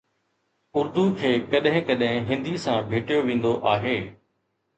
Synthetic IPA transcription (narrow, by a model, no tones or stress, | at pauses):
ʊɾd̪ukʰeːkɐɗɦɪ̃kɐɗɦɪ̃ɦɪ̃nd̪isãbʱeːʈijoʋẽːn̆d̪oʔaːɦeː